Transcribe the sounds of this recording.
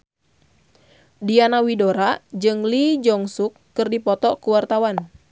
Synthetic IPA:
dianawidoɾad͡ʒɨŋlid͡ʒɔŋsukːɨrdipɔt̪ɔkuwart̪awan

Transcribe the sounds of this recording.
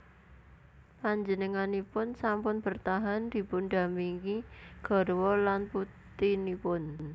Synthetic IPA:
paɲd͡ʒənəŋanipʊnsampʊnb̥ə̤rt̪aɦand̪̥i̤pʊnd̪a̤miŋiɡ̥ɔ̤ɾwɔlanput̪inipʊn

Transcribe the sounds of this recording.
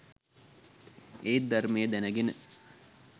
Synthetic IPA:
eːd̪ɐɾmejəd̪ænɐɡenə

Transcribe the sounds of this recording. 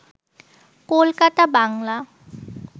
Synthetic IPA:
kolkat̪abaŋla

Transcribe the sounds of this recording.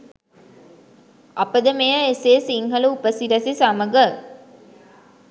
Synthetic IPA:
ɐpəd̪ɐmejɐeseːsiŋhɐluupəsiɾɐsisɐmɐɡə

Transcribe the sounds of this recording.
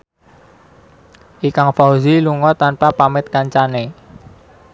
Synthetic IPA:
ʔikaŋfaoziluŋɔt̪anpapamɪt̪̚kaɲt͡ʃane

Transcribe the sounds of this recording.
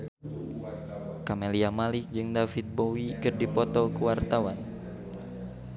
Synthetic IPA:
kameliamalik̚d͡ʒɨŋdafit̪̚bowikɨrdipɔt̪ɔkəwart̪awan

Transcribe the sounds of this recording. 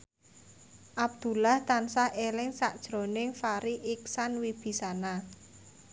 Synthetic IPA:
ʔab̚d̪̥ṳlaht̪ansahelɪŋsaʔd̥ʒ̥ɾo̤nɪŋfaɾiʔiksanwib̥i̤sana

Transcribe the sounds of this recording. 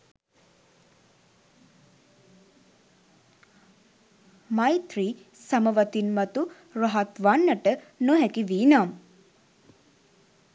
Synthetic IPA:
majt̪ɾisaməʋɐt̪inmɐt̪u | ɾɐɦat̪ʋanːəʈə | noɦɛkiʋiːnam

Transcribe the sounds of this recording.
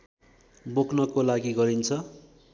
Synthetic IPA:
boknʌkolaɡiɡʌɾint͡sʰʌ

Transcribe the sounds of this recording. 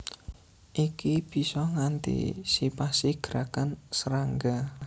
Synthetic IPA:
ʔikib̥i̤sɔŋant̪ḭsipasiɡ̥əɾakansəɾaŋɡa

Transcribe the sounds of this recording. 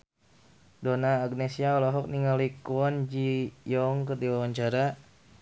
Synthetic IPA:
donaːɡnesiaɔlɔɦɔk̚niŋalikuɔnd͡ʒijɔŋkərdiwawaɲt͡ʃaɾa

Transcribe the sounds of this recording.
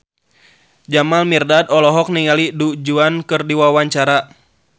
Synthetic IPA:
d͡ʒamalmirdadɔlɔɦɔk̚niŋalidud͡ʒuankɨrdiwawaɲt͡ʃaɾa

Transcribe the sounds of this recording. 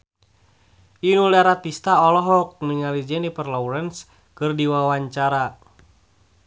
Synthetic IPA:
inulaɾat̪ist̪aɔlɔɦɔk̚niŋalid͡ʒɛnipərlɔwɾɛns | kɨrdiwawaɲt͡ʃaɾa

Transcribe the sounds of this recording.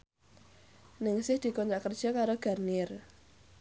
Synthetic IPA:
nɪŋsɪhd̪̥i̤kɔnɾaʔkərd̥ʒ̥a̤kaɾoɡ̥a̤rniɪr

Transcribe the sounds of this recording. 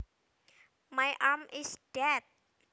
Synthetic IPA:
majʔamɪsd̥ɛt̪̚

